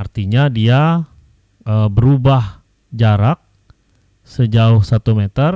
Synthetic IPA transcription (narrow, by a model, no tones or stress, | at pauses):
art̪iɲadia | əbəɾubah | d͡ʒaɾak̚ | səd͡ʒaʊhsat̪umet̪ər